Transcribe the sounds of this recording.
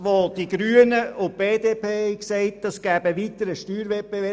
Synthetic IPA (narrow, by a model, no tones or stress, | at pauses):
ʋod̥iɡɾyːənəʊb̥eːd̪eːpʰeːhɛɪksɛɪt̚d̥ɑsɡ̥æːb̥əʋitəɾəʃtyːɾʋɛb̥evɛ